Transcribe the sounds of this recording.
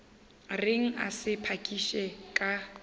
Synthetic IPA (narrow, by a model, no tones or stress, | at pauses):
rɪŋ̩a̰sɪpʰakʼiʃɛkʼa